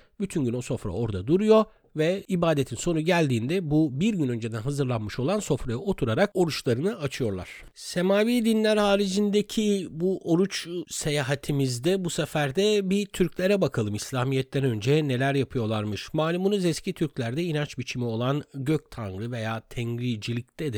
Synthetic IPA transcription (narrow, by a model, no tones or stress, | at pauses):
byt̪ʰynɟyno̞so̞fɾa̰o̞ɾd̪a̰d̪uɾujo̞ | vɛibaːd̪et̪ʰinso̞nuɟælʲd̪iːnd̪ɛbubiɾɟynø̞nd͡ʒed̪ænɦazɯɾlˠanmɯʃo̞lˠanso̞fɾajao̞t̪ʰuɾaɾako̞ɾut͡ʃlˠaɾɯnɯat͡ʃʰɯjo̞ɾlˠa̰ɾ̥ | se̞maːviːd̪inlʲæɾhaːɾid͡ʒind̪ecʰibuʔo̞ɾut͡ʃse̞jaːɦat̪ʰimizd̪ɛbusefæɾd̪ɛbit̪ʰyɾclʲe̞ɾɛbakʰalˠɯmislʲaːmijɛt̪ːɛnø̞nd͡ʒɛne̞lʲæɾjapʰɯjo̞lˠaɾmɯʃmaːlʲimunuzɛscʰit̪ʰyɾclʲæɾd̪ɛinant͡ʃbit͡ʃʰimio̞lˠanɟøc̚t̪ʰanɾɯve̞jaːt̪ʰɛɲɾiːd͡ʒilʲict̪ʰɛd̪i